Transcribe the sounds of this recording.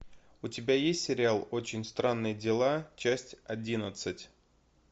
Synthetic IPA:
ʊtʲɪbʲajesʲtʲsʲɪɾʲɪalˠo̞t͡ɕɪnʲst̪ɾanːɨjədʲɪlˠat͡ɕæsʲtʲɐdʲinət̪sɨtʲ

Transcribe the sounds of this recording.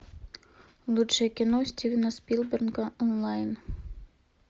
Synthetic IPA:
lˠutʂekʲinosʲtʲivʲnaspʲilˠbʲernkɑʔɔnlˠɑjn

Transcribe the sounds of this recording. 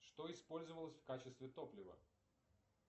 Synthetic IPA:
ʂt̪o̞ɪspo̞lʲzəvəlˠəsʲfkat͡ɕɪst̪vʲɪt̪o̞plʲɪvə̰

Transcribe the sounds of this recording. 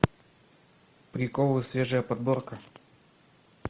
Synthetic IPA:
pɾʲɪkolˠɨsvʲeʐɨjəpɐd̪̚borkə

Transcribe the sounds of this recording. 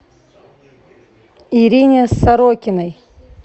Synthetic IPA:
iɾʲinʲesːɐɾokʲɪnɐj

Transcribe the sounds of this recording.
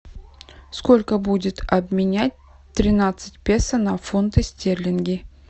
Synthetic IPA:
sko̞lʲkəbudʲɪt̪ɐbmʲɪnʲæt̚ʲ | t̪ɾʲɪnat̪sɨ̥tʲpʲesənɐfont̪ɨsʲtʲerlʲɪnɡʲɪ

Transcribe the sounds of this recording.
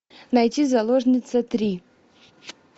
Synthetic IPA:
nɐjtʲizɐlˠoʐnʲɪt̪sət̪ɾʲi

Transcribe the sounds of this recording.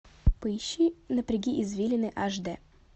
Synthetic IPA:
pɨɕːinəpɾʲɪɡʲiʔɪzvʲilʲɪnɨʔaʐd̪ɛ

